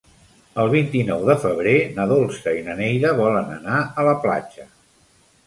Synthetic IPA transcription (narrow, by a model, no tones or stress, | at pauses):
əlˠβ̞int̪inɔwðəfəβ̞ɾenəðolˠsəinənɛjðəβɔlənə̰naələpla̰d͡ʒə